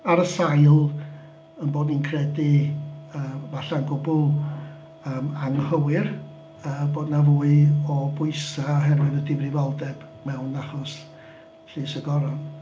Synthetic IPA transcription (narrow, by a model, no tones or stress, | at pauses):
aɾəsajlˠ | ənboːdninkʰrɛdi | əːvaɬanɡʊbʊlˠ | əːmaŋhəwɨr | əːboːdnavuːɨɔbʊɨsaɔɦɛrwɪðɔdɪvrɪvɔlˠdɛb̥ | mɛwnaχɔs | ɬiːsəɡɔɾɔn